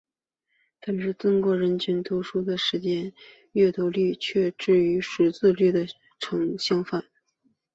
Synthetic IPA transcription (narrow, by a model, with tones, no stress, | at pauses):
pə˨˩nʈ͡ʂɻ̩˥˩t͡sʊ˥ŋkwɔ˧˥ɻə˧˥nt͡ɕʰy˧˥nt̪ʰu˧˥ʂu˥d̪ə˨ʂɻ̩˧˥t͡ɕjɛ˥n | ɥɛ˥˩t̪o˧˥ly˥˧t͡ɕʰɥɛ˥˧ʈ͡ʂɻ̩˥˩y˧˥ʂ̩˨˧˩t͡sɹ̩˥˧ly˥˩d̪ə˩ | ʈ͡ʂʰɤ˧˥ŋɕjɑ˥ŋfa˥˩n